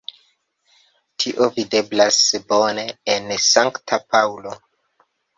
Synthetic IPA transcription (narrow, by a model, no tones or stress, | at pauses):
tʰiʔo̞vide̞blasbo̞ne̞ːnsaŋktʰapʰawlo̞